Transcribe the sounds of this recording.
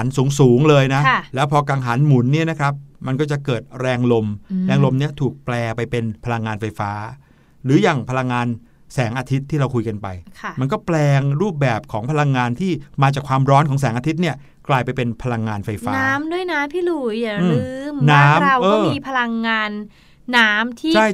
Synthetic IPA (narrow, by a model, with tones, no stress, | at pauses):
a˩˦nsuː˩˦ŋsuː˩˦ŋlɤː˧jna˦˥lɛː˦˥wpʰɔː˧kaː˧ŋɦa˩˦nmu˨˩˦nːi˥˩ɐna˦˥kʰɾa˦˥p̚ma˧nkɔː˥˩t͡ɕa˨˩kɤː˨˩t̪̚ɾɛː˧ŋlo˧mɾɛː˧ŋlo˧mni˦˥ɐt̪ʰuː˨˩k̚plɛː˧pa˧jpe˧npʰa˧la˧ŋːaː˧nfa˧jfaː˦˥ | ɾɯː˩˦jaː˨˩ŋpʰa˧la˧ŋːaː˧n | sɛː˩˦ŋʔaː˧t̪ʰi˦˥t̪ʰːiː˥˩ɾa˧wkʰu˧jka˧npa˧jkʰa˥˩ma˧nk̬ɔː˥˩plɛː˧ŋɾuː˥˩p̚bɛː˨˩p̚kʰɔː˩˦ŋpʰa˧la˧ŋːaː˧nt̪ʰiː˥˩maː˧t͡ɕaː˨˩kʰwaː˧mɾɔː˦˥nkʰɔː˩˦ŋs̬ɛː˩˦ʔaː˧t̪ʰi˦˥t̪̚ni˥˩ɐ | klaː˧jpa˧jpe˧npʰa˧la˧ŋːaː˧nfa˧jfaː˧aː˦˥mdu˥˩əjnaː˦˥mpʰiː˥˩luː˨˩jɯː˧ɾɯː˦˥mnaː˦˥˦m˧wʔɤːɔː˥˧˩mmiː˧pʰa˧la˧ŋːaː˧nː | aː˦˥mt̪ʰiː˥˩t͡ɕʰa˥˩j